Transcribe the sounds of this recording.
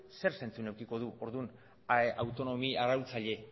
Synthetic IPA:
se̞ɾse̞nt͡sunewkiko̞ðuo̞ɾðun | aeʔawt̪o̞no̞miaɾawt͡saʎe̞

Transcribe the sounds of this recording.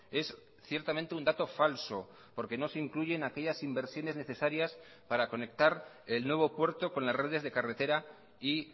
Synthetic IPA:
e̞s | θje̞ɾt̪amẽnt̪eund̪at̪o̞falso̞ | po̞ɾke̞no̞seiŋkluʝe̞nake̞ʎasimbe̞ɾsjo̞ne̞zne̞θe̞saɾjas | paɾako̞ne̞k̚t̪aɾ | e̞lnwe̞β̞o̞pwe̞ɾt̪o̞kõ̞nlasre̞ð̞e̞zðe̞kare̞t̪e̞ɾa | i

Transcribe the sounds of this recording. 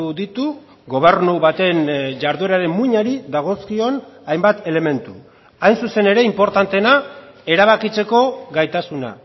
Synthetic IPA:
uðit̪u | ɣo̞β̞e̞rnuβat̪e̞nʝaɾðuɾaɾe̞mːuɲaɾiðaɣ̞o̞skio̞najmbat̪e̞le̞me̞nt̪u | ajnsuse̞ne̞ɾe̞impo̞ɾt̪ant̪enae̞ɾaβ̞akit͡se̞ko̞ɣajt̪asuna̰

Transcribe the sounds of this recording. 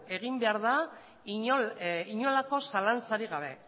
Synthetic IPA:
e̞ɣ̞imbe̞aɾða | i | iɲo̞lako̞salant͡saɾiɣaβ̞e̞

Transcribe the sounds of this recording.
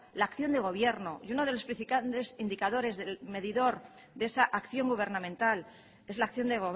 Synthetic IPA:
laːkθjo̞nd̪e̞ɣ̞o̞β̞je̞ɾno̞juno̞ð̞e̞lo̞spɾiθipant̪e̞sind̪ikaðo̞ɾe̞zðe̞lme̞ðiðo̞ɾ | ðee̞saʔakθjo̞ŋɡuβ̞e̞ɾnamẽ̞nt̪al | e̞zlaːkθjo̞nd̪e̞ɣo

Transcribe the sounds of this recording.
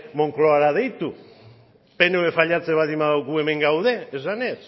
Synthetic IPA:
mo̞ŋklo̞aɾað̞e̞jt̪u | pe̞noefaʎat͡seβaðimaðawɣue̞me̞ŋɡawðe̞ːsane̞s

